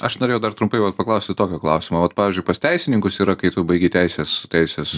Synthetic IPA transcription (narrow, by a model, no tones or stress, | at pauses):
ɐʃnoːɾʲeːjɛʊd̪ɐrt̪ɾʊmpɐɪʋɐt̪̚pɐklˠɐʊsʲt̪ʲɪt̪oːkʲoːklˠɐʊsʲɪmoːʋɐt̪pɑːʋʲɪːzʲd͡ʒʲʊɪpɐstʲɛɪsʲɪnʲɪŋkʊsiːɾɐkɐɪt̪ʊbɐɪɡʲet̪ʲæɪsʲeːst̪ʲɛɪsʲeːs